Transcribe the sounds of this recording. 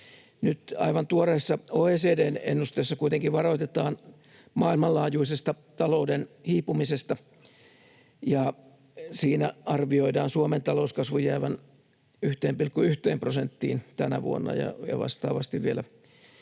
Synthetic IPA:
nyt̪ɑ̰iʋɑnt̪uoreisːɑoːeːseːdeːnḛnːust̪eisːɑkuit̪eŋkiʋʋɑroit̪et̪ɑːn | mɑːilmɑllɑːjuisest̪ɑ | t̪ɑloudenhiːpumisest̪ɑ | jɑ | siːnæɑrʋioidɑːnsuoment̪ɑlouskɑsʋujɑɑiʋɑn | yht̪eːmpilkːuyht̪eːmprosent̪ːḭːnt̪ænæʋṵo̰nːɑ̰jɑ̰jɑ̰ʋɑ̰st̪ɑ̰ːʋɑst̪iʋʋielæ

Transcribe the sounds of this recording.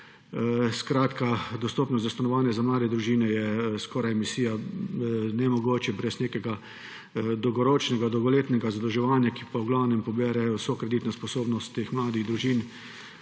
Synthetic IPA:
skɾaːt̪kad̪ɔst̪oːpnɔszast̪anɔʋaːnjɛzamlaːd̪ɛd̪ɾuʒiːnɛjɛskɔːɾajɛmisiːja | nɛmɔɡoːt͡ʃɛbɾɛsneːkɛɡa | d̪ɔwɡɔɾoːt͡ʃnɛɡad̪ɔwɡɔleːt̪nɛɡazad̪ɔwʒɛʋaːnjakipɔwɡlaːwnɛmpɔbɛɾɛwsɔkɾɛd̪it̪nɔspɔsoːbnɔst̪ːeːxmlaːd̪iɣd̪ɾuʒiːn

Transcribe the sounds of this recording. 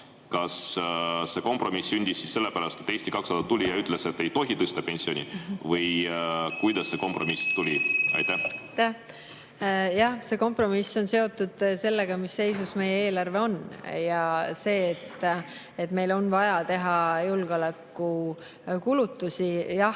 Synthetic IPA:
kɑs | se̞ko̞mpro̞misːynʲd̪̥isːiːsːe̞lːepæɾɑst̪et̪ːeːsʲt̪ikɑksɑd̪̥ɑt̪ːulʲijɑyt̪ːˑlese̞t̪ːejt̪o̞ɦit̪ɤst̪ɑpe̞nʲsio̞nʲḭvɤjkujd̪̥ɑsːe̞ko̞mpro̞mist̪ulʲiɑ̰jt̪ːæht̪æ | jɑhse̞ko̞mpro̞misːo̞nse̞o̞t̪ːˑud̪̥se̞lːe̞ɡ̥ɑmisːe̞jsusme̞jeeːlɑrve̞o̞njɑse̞ːt̪ːˑ | et̪me̞jlo̞nvɑjɑt̪e̞ɦɑjulɡ̥eo̞lekːˑu | kulut̪ːusijɑ

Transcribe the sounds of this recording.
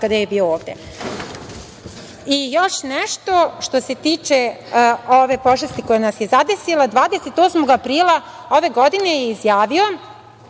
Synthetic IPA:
kad̪ajebiːooːʋd̪e̞̰ | ijo̞ʃnɛʃt̪o̞ʃt̪o̞se̞t̪iːt͡ʃe | oʋe̞po̞ʐest̪iko̞jenasje̞zad̪esilad̪ʋaːd̪ese̞t̪oːsmo̞ɡapɾiːlˠa | o̞ʋe̞ɡo̞d̪ine̞jeizjaːʋio̞

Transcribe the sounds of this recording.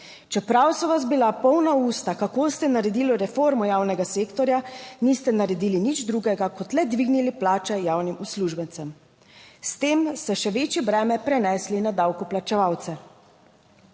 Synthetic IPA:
t͡ʃɛpɾawsɔʋasbilapɔwnauːst̪akakoːst̪ɛnaɾɛd̪iːlɔɾɛfoɾmɔjaːwnɛɡaseːkt̪ɔɾjanist̪ɛnaɾɛd̪iːlinid͡ʒd̪ɾuɡɛɡakɔt̪lɛd̪ʋiɡniliplaːt͡ʃɛjaːwnimusluʒbɛnt̪sɛm | st̪eːmst̪ɛʃɛʋet͡ʃjɛbɾɛːmɛpɾɛnɛslinad̪awkuplat͡ʃɛʋawt̪sɛ

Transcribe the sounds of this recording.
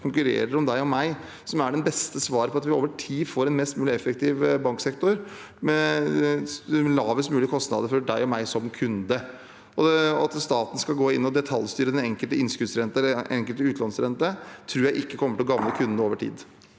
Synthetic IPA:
kʰʊŋkʉɾḛːɾəɾɔmd̪æɪɔmæɪ | sɔmæɖɛnbɛst̪əsʋɑːɾəpʰɔɑt̪ʋɪo̰ːʋəʈʰiːfoːɾɛnmɛst̪mʉːlɪɛfːəkt̪ʰɪʋbɑŋksɛkt̪ɔɾ | mɛ | lɑːʋəsmʉːlɪkʰɔst̪nɑ̰d̪əɾfɔɖæɪɔmæɪsɔmkʰʉnd̪ə | ʔɔɑt̪st̪ɑːt̪n̩skɑlɡoːɪnːɔd̪ɛt̪ʰɑljst̪yːɾəd̪ɛnɛŋkəlt̪əɪnskʉd̪sɾɛnt̪əɛlːʔɛŋkəlt̪əʉːt̪lɑnsɾɛnt̪ət̪ʰɾuːjæɪʔɪkːəkʰɔmːəʈɪlɔɡɑʋləkʰʉnd̪noːʋəʈʰḭːd̪

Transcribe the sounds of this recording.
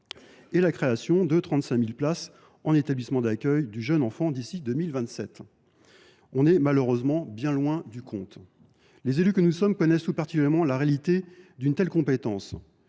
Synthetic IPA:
ɛlakχeasjɔ̃d̪ət̪χɑ̃t̪sɛ̃milplas | ɑ̃net̪ablismɑ̃d̪akʲœjd̪yʒənɑ̃fɑ̃d̪isid̪əmilvɛ̃t̪sɛt̪ | ɔ̃nɛmaløʁøzmɑ̃bjɛ̃lwɛ̃d̪ykʰɔ̰̃t̪ | lezelykənusɔmkɔnɛst̪upaʁt̪i̥kʲyljɛʁmɑ̃laʁealit̪ed̪ynt̪ɛlkɔ̃pet̪ɑ̃s

